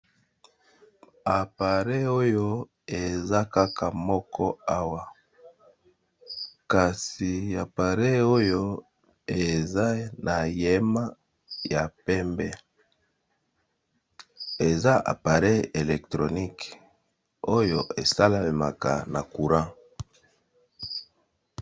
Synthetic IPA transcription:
a˨pa˨ʁɛ˦o˦jo˦ | e˨za˦ka˦kʰa˨mɔ˦kʰɔ˦a˦wa˨ | ka˨si˨a˨pa˨ʁɛ˦o˦jo˦ | e˨za˦nʔa˨je˦ma˦ | ja˨pɛ˦mbɛ˦ | e˨za˦ʔa̰˨pa˨ʁɛ˦e˨lɛ˨ktʁo˨ni˦k | o˦jo˦e˨sa˦la˨e˨ma̰˨ka̰˨na˨ku˨ʁã˦

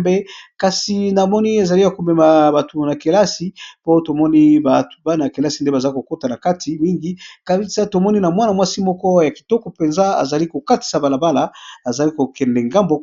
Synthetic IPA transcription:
bɛ˦ka˨si˨na˨mɔ˦ni˦e˨za˨li˦ja˨ko˨mɛ˨ma˨ba˨to˨na˨ke˨la˦si˦po˦to˨mɔ˦ni˦ba˨tba˦na˨a˨ke˨la˦si˨nde˦ba˨za˨˦i˦ko˨ko˦ta˨na˨ka˦tʰi˨mi˦ŋɡi˦ka˨bi˦sa˦to˨mɔ˦ni˦na˨mwa˦na˨mwa˦si˦mɔ˦kɔ˦ja˨ki˨tɔ˦kɔ˨pe˨nza˦a̰˨za˨li˦ko˨ka˦ti̥˨sa˨ba˨la˨ba˦la˨a˨za˨li˦ko˨kɛ˨ndɛ˨ŋɡa˦mbo˦

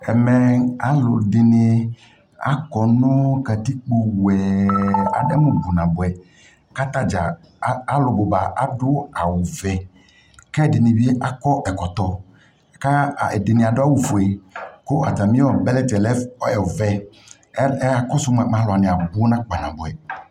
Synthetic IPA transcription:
ɛ˨mɛ˨a˨lʊ˨dɪ˨nɪ˨ | a̰˦kɔ˨nʊ̃˦ka˨t̪i˦k͡po˨wɛ˨a̰˨dɛ˦mũ˨bu˨nã˨bʊ˨ɛ˨ | ka˦t̪a˦d͡ʒa˨˦ | a˦lʊ˨bʊ˨ba˨ʔa˨dʊ˦a˨wu˨vɛ˨ | kɛ˦˨dɪ˨nɪ̃˨bi˦e˦ʔa˦kɔ˦ʔɛ˨kɔ˨t̪ɔ˨ | ka˦˨ɛ˨dɪ˨nɪ̃˨a˨dʊ˦a˦˨wu˨fu˨ɛ˨kʊ˦ʔa˨ta˨mĩ˦ɔ˨bɛ˦lɛ˦tɛ˨lɛ˦fɔ˦ɛ˨vɛ˨˦ | a˦kɔ˦sʊ˦m˦˨a˨ã˦lʊ˨a˨nɪ̃˨a˨bʊ˦nã˦k͡pa˨nã̰˨bʊ˨ɛ˨

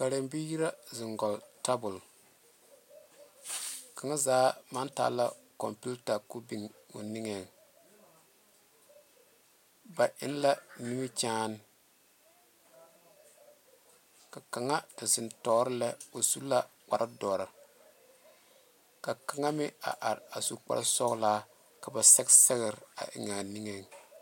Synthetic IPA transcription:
ka˨ɾe˨mbi˦ji˦ɾa˦zɪ˨ŋɡɔ˨lta˦bʊ˨l | ka˨ŋa˦zaː˨˦ma˦nta̰ː˦la˦kɔ̰˨mpu˦lta˨ku˦bi˦ŋo̰˨nɪ˦ŋɛ˨ŋ | ba˨ʔɪ̰˦n˦la˦ni˦mi˦t͡ʃaː˦n˦ | ka˨ka˨ŋa˦da˨zɪ˨ntɔː˨˦ɾɪ˦lɛ˦o˨su˦la˦k͡pa˨ɾʔa˦dɔː˨ɾa˨ | ka˨ka˨ŋa˦mɪ˦a̰˨ʔa˨ɾa˨su˨k͡pa̰˦ɾsɔ˦ɣlaː˦ | ka˨ba˨sɛ˦ksɛ˦ɣɪ˨ɾa̰˨ʔɪ̰˨ŋa˨ni˦ŋe˨ŋ

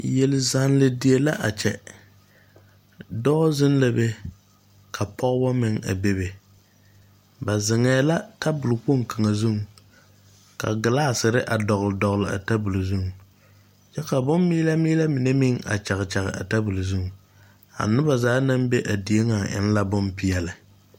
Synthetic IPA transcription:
jɛ˨lɪ˨za˨nlɪ˨di˨e˨la˦ʔa˨t͡ʃɛ˨ | dɔ˦zɪ˦nla˦be˦ | kʰa˨pʰɔ˦ɣbɔ˦mɪ˨ŋa̰˨be˦be˨ | ba˨zɪ˨ŋɛː˨la˦ta˦bʊ˨lk͡po˦˨ŋ˨ka˨ŋa˨zu˦˨ŋ | ka̰˨ɡɪ˨laː˦sɪ˨ɾɪ˦ʔa˨dɔ˨ɣlɨ˨dɔ˨ɣlɪ˨a̰˨ta˦bu˨lzu˦˨ŋ˨ | t͡ʃɛ˦ka˨bʊ˦mːiː˦la˦miː˦la˦mɪ˨ne˦mɪ˦ŋa̰˨t͡ʃa˨ɣɨ˨t͡ʃa˨ɣɨ̰˨ʔa̰˨ta˦bu˨lzu˦ŋ˨ | a̰˨nʊ˦ba˨zaː˨˦na˦mbe˦ʔa˨di˨e˦ŋa˨ʔɪ̰˦n˦la˦bʊ˦mpi˦jɛ˦lɪ˨

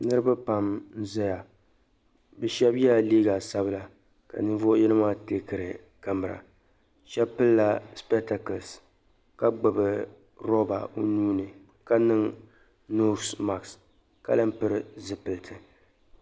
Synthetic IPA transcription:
nɨ˦ɾɨ˦ba˦pa˨mn̩˦za˦ja˨ | bɨ˨ʃɛ˦bja˦liː˦ɡa˨sa˦bɨ˦la˨ | ka̰˨nɨ˦vo˦ʔjɛ˦nɨ˦maː˦te˦kɨ˨ɾɨ˨ | ka˨mɨ˨ɾa̰˨ | ʃɛ˦pɨ˦lla˦spɛ˦ta˦kɨ˨ls | ka˦ɡ͡bɨ˨bɨ˨ | ɾo˦ba̰˨o˦nuː˦nɨ˨ | ka˦nɨ˦ŋ | no˦sma˨ks | ka̰˦lɨ˦m˦pɨ˦ɾɨ˦zɨ˦pɨ˨ltʰɨ˨

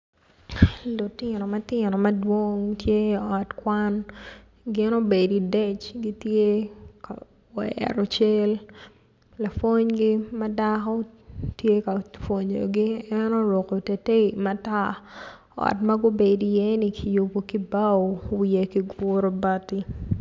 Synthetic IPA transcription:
lo˨tɪnɔ˨mɐ˦tɪnɔ˨mɐ˦dwo˦ŋtje˦ɔ˨tkwan | ɡɪ˦no˦be˨di˨dɛ˦t͡ʃɡi˦tje˦ka̰ | wɛ̰ɾɔ˨t͡ʃɛ˦l | la˨fo˦ɲɡi˦mɐ˦dakɔ˦tje˦ka˨fwo˨ɲo̰˨ɡi˦ɛno˦ɾo˨ko˨te˨te˦imata˦ | ɔ̰˨tmɐ˦ɡo˦be˨di˨jɛ˦ni˦kʰi˨ju˨bo˨ki˦ba˦owie˨ki˨ɡʊ˦ɾo˦ba˦ti˦

